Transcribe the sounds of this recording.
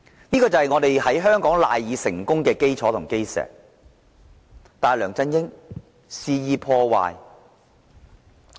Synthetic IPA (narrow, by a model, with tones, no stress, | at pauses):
niː˥kɔː˧t͡sɐ˨hɐ˨jŋɔː˨˧t̪e˨jhɐ˨˥jɦœː˥ŋkɔː˨˥ŋla̰ː˨jːiː˨˧sɪ˨˩ŋkʊ˥ŋkɛː˧ke˥jt͡sʰɔː˨˥t̪ʰʊ˨˩ŋke˥jsɛ̰ː˨k̚ | t̪aː˨˩jlœː˨˩ŋt͡sɐ˧njɪ˥ŋ | siː˧jiː˨˧pʰɔː˧wa̰ː˨j